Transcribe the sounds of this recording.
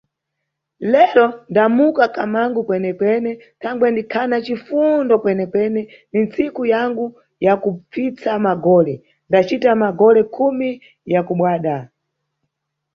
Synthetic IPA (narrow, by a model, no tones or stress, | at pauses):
lɛɾɔndamukakamaŋɡukwɛnɛkwɛnɛ | tʰaŋɡwɛndikʰanat͡ʃifundɔkwɛnɛkwɛnɛ | nint͡sikujaŋɡu | jakup͡fit͡samaɡɔlɛ | ndat͡ʃitamaɡɔlɛkʰumi | jakuɓwaːɗa